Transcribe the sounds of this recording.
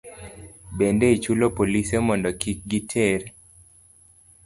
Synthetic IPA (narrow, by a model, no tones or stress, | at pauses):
bendeit͡ʃulopolisemɔndɔkik̚ɡitʰeɾ